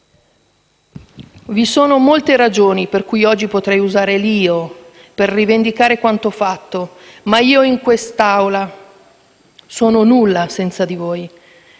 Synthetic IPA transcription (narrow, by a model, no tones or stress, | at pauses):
visoːnomolt̪eɾad͡ʒoːniperkujɔd͡ʒːipot̪ɾɛjuzaːɾeliːo | perːivend̪ikaːɾekwant̪ofat̪ːo | maiːoiŋkwest̪awla | soːnonulːasɛnt̪sad̪ivoːj